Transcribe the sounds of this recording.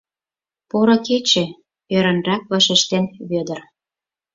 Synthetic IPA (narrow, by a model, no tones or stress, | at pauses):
poɾɤ̆ket͡ɕĕ | øɾə̆nrɑk̚βɑʃĕʃt̪enβød̪ə̆r